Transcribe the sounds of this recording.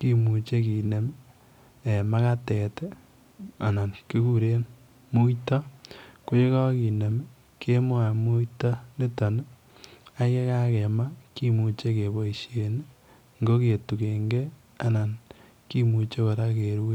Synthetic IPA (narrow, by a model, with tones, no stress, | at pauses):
ki˦mu˨t͡ʃe˦ki˨ne˨m | e˨ma˦ka˦tɛ˨te˦ | a˨na˨nki˦ku˦ɾe˦n | mu˦jtɔ˦ko˦i˦kɔ˦ki˨ne˨m˦ | ke˦mwa˨mu˦jtɔ˦ni˦tɔ˨n˦ | a˦ke˦ka˦ke˨ma˦ki˦mu˨t͡ʃe˦ke˨bo˨i˨ʃe˨n˦ | ŋɡo˦ke˨tu˨ke˨ŋɡe˦ | a˨na˨n | ki˦mu˨t͡ʃe˦ko˨ɾa˦ke˨ɾu˦e˦